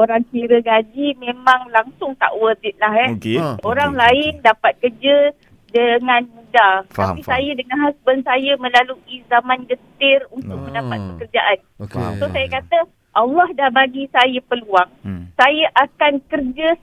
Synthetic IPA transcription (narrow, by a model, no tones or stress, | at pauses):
oɾaŋkiɾəɡad͡ʒimẽmãŋlaŋsʊŋt̪a̰ʔwəd̪ɪt̪̚laɦɛkeoɾaŋlaɪndapat̪̚kərd͡ʒə | dəŋãnmũdat̪apisajadəŋanɦasbənsajamə̃laluʔizamãnɡət̪ɪrunt̪ʊk̚mə̃ndapat̪̚pəkərd͡ʒaʔan | ksosajakat̪ə | ʔalːɔhdahbaɡisajapəluaŋsajaʔakankərd͡ʒə